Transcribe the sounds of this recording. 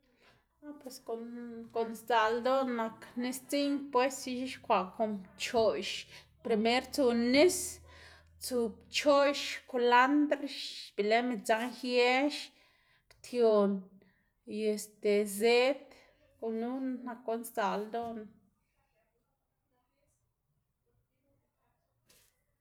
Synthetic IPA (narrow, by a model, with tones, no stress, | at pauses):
no˦pwe˧sko˨nko˨nst͡sa˨ld̪o˦nːa˧kni˦st͡si˦ɲpwe˦si˧ʃi˦ʃkʷa˨ko˧˨mt͡ʃo˨ʃ | pɾi˧me˦ɾt͡su˧ni˦s | t͡su˧bt͡ʃo˦ʃko˧la˦nd̪ɾʃb̥i˨le˦mi˧˨t͡sa˧ŋxje˦ʃ | kt̪ʰjo˨n | je˨st̪e˨ze˦t̪ | ku˧nu˦nna˧ko˦nst̪a˨ld̪o˦n